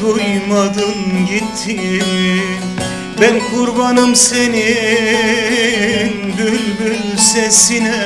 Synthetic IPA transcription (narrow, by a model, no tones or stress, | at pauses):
ojmad̪ɯmɟit̪ʰːi | bænkʰuɾbɑnɯmseni | nbylbylsesinɛ